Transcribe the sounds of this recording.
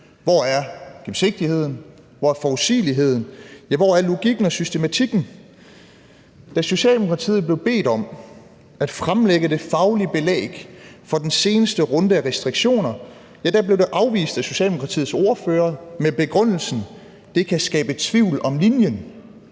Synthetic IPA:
ʋɒæɐɡ̥emse̝ɡ̥̚d̥ihe̝ð̰ˠn̩ | ʋɒæɐfɒusḭːliɦe̝ð̰ˠn̩jæʋɒæɐlo̝ɡ̥iɡ̥n̩ɒ̽sysd̥e̝mæt͡sʰiɡ̥n̩ | d̥æso̝ɕɛ̰ːld̥emokʰʁɑ̈t͡sʰḭːð̩ˠb̥le̝ʊb̥e̝̰ːdɒ̽m | æd̥fʁamleɡ̥əde̝fɑ̈ʊlib̥e̝lɛ̰ːɡ̥fɒ̽d̥ense̝ːnəsd̥əʁɔ̽nd̥əæʁɛsd̥ʁiɡ̥ɕo̝̰ːnɐ | jæd̥æb̥le̝ʊd̥e̝ʔɑ̈ʊʋḭːsd̥æso̝ɕɛ̰ːldemokʰɑt͡sʰḭːð̩ˠso̝ɐføːɐmeb̥e̝ɡ̥ʁɔn̰l̩sn̩ | d̥e̝kʰæsɡ̥ɛ̰ːb̥ət͡sʰʋiʊ̰lɒ̽mlinjən

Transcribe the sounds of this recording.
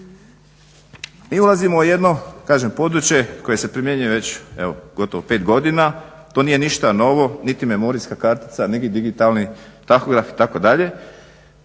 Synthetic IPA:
miːulˠazimouje̞d̪no̞kaːʒempo̞d̪ɾut͡ɕje̞ko̞je̞se̞pɾimjeɲujeʋe̞t͡ɕḛʋo̞ɡ̥o̞t̪oʋope̞ːt̪ɡo̞d̪ina | t̪oːniːje̞niʃt̪ano̞ʋo̞nit̪ime̞mo̞ɾiskakaɾt̪i̥t̪saniɡid̪iɡit̪alnit̪axo̞ɡɾafi̥t̪ako̞d̪aʎe̞

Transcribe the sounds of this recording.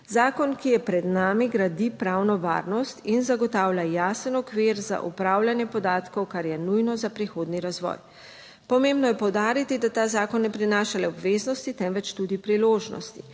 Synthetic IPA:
zaːkɔnkijɛpɾɛd̪naːmiɡɾad̪ipɾawnɔʋa̰ːɾnɔst̪inzaɡɔt̪aːwlʲjajaːsənɔkʋiɾza̰ʔṵpɾaːwlʲanjɛpɔd̪aːt̪kɔwkaɾjɛnujnɔzapɾixoːd̪niɾazʋɔ̰j | pɔmẽmbnɔjɛpɔwd̪aːɾit̪id̪at̪aːzaːkɔnːɛpɾinaːʃalɛɔbʋeːznɔst̪it̪ɛmʋɛt͡ʃt̪uːd̪ipɾiloːʒnɔ̰st̪i

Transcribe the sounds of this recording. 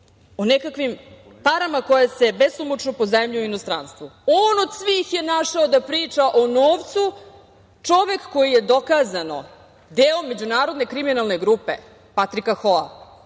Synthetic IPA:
onekakʋim | paɾamako̞jase̞besumot͡ʂnopo̞zemʎiinost̪ɾanst̪ʋuoːnod̪sʋiːxje̞naʂaod̪apɾiːt͡ʂaʔonoːʋt̪su | t͡ʂo̞ʋe̞kːo̞jije̞d̪o̞kaːzano̰ | d̪eːomːe̞d͡ʑunaːɾo̞d̪ne̞kɾiminalneɡɾuːpḛ | pat̪ɾikaxoa̰

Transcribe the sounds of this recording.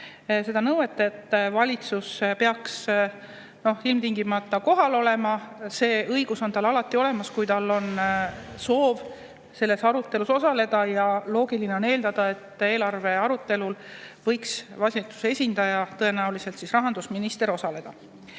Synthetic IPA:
se̞d̪̥ɑnɤwe̞t̪ːˑɑe̞t̪ːˑvɑlʲit̪suspe̞ɑks | no̞hilmt̪iŋɡimɑt̪ːˑɑko̞ɦɑlo̞le̞mɑse̞ːʔɤjɡ̥uso̞nt̪ɑlɑlɑt̪ːˑio̞le̞mɑskujt̪ɑlːo̞nso̞ːv | se̞lːe̞sɑɾut̪ːˑe̞luso̞sɑle̞d̪̥ɑjɑlo̞ːɡilineo̞neːld̪ɑd̪̥ɑe̞t̪ːˑe̞ːlɑrve̞ɑɾut̪ːe̞lulvɤ̞jksvɑsʲt̪ːu̥se̞sʲind̪ɑjɑt̪ɤe̞næulise̞lt̪sisrɑɦɑnd̪usminist̪e̞ɾo̞sɑle̞d̪̥ɑ

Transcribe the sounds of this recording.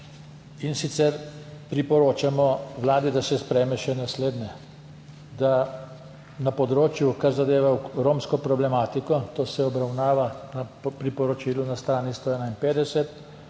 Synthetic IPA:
insit̪sɛɾpɾipɔɾoːt͡ʃamɔʋlaːd̪id̪asɛspɾɛmɛʃɛnasleːd̪nɛ | d̪a | napɔd̪ɾoːt͡ʃjukaɾzad̪eːʋaɾoːmskɔpɾɔblɛmaːt̪ikɔt̪oːsɛɔbɾawnaːʋanapɾipɔɾɔt͡ʃilunast̪ɾaːnist̪oɛːnainpeːd̪ɛsɛt̪

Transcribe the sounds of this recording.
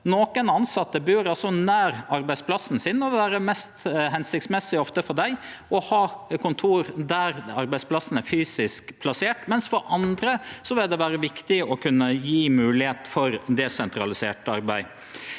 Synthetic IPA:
noːkənɑnsɑt̪ːəbʉɾɑlsɔnæːɾɑɾbæɪspʰlɑsn̩sɪnɔʋæːɾəmɛst̪ɦɛnsɪk̚t̪smɛsːɪɔft̪əfɔɖæɪɔhɑːkʰʊnt̪ʰuːɾd̪æɾɑɾbæɪspʰlɑsn̩æfyːsɪskpʰlɑseːʈmɛnsfɔɾʔɑnd̪ɾəsɔʋɪld̪ɛʋæːɾəʋɪkt̪ɪɔkʰʉnːəjiːmʉːlɪheːt̪fɔɾd̪ɛsɛnt̪ɾɑlɪseːʈəɑ̰ɾbæɪ

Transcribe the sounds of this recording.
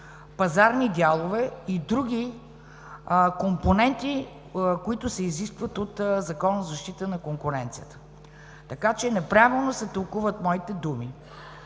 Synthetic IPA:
pɐzaɾnid̪ʲalˠovɛid̪ɾuɡ̟ʲi | komponɛnt̪i | koit̪ʊsɛiziskvət̪ot̪zɐkɔnəzɐʃt̪it̪ənɐkoŋkʊɾɛnt̪sijət̪ə̥ | t̪ɐkat͡ʃɛnɛpɾavilˠnosɛt̪ɐlˠkuvət̪mɔit̪ɛd̪umi

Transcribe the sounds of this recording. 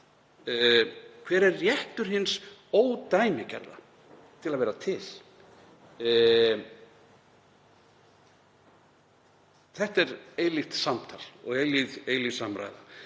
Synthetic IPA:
kʰvɛːɾɛrːjɛht̪ʏɾ̥ɦɪnsoːwt̪aːjmɪcɛ̰ɾða̰ | t̪ʰɪlaðvɛːɾat̪ʰɪl̥ | θɛht̪ɛɾeːjlɪxt̪samt̪ʰalɔ̰ɣeːjlɪðeːjlisamɾa̰ːjða

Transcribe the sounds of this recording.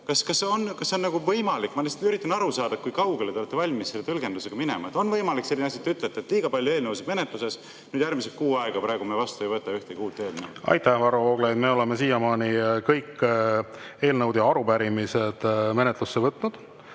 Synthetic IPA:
kɑskɑsːeonkɑsːeonːɑɡ̥uvɤjmɑlikːmɑnest̪yɾit̪ːˑɑnɑɾusɑːd̪ɑkujkɑwɡelet̪eoet̪ːevɑlʲmisselːet̪ɤlɡ̥e̞nd̪useɡ̥ɑminḛmɑ̰e̞t̪ːˑo̞nvɤjmɑlikse̞lːinɑs̬ʲjɑet̪ːeyt̪let̪ːet̪liːɡ̥ɑpɑlʲjoe̞ːlnɤwsid̪me̞net̪luse̞s | nyːd̪jærmiselkuːɑeɡ̥ɑpɾɑˑeɡ̥umevɑst̪uejvɤt̪ːˑɑyht̪eɡiuːt̪ːˑe̞ːd̪nḛw̪ɑ̰jt̪æhvɑɾuoːɡ̥lejd̪me̞ːo̞lemesiːjɑmɑːnikɤjkː | e̞ːlnɤwd̪jɑɑɾupæɾimised̪̥me̞net̪lusːevɤt̪ːˑnud̪̥

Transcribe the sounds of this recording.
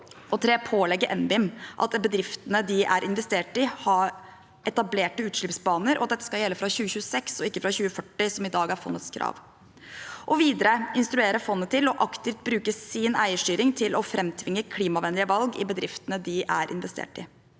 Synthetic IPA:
ɔt̪ʰɾeːpʰoːlɛɡːəɾʔɛnbɪmʔɑ̰t̪bəd̪ɾɪft̪ənəd̪ɪʔæɾʔɪnʋɛst̪eːʈɪhɑɾ | ʔɛt̪ɑbleːʈəʉːt̪ʂɭɪpsbɑːnəɾʔɔ̰ɑt̪̚ɛt̪ːə̥skɑljɛlːəfɾɑɕʉːəçʉːəsɛksɔɪkːəfɾɑçʉːəfœʈːɪsɔmɪd̪ɑːɡæɾfɔ̰nːət̪skʰɾʔɑ̰ːʋ | ʔɔʋiːd̪əɾəɪnst̪ɾʉeːɾəfɔnːət̪ʰɪlɔʔɑkt̪ɪft̪̚bɾʉːkəsɪnæɪəʂʈyːɾɪŋt̪ʰɪlʔɔfɾʔɛmt̪ʰʋɪŋːəkʰliːmɑʋɛnlɪəʋɑlɡɪ̰bəd̪ɾɪft̪ənəd̪ɪʔæɾʔɪ̰nʋɛst̪ḛːʈɪ

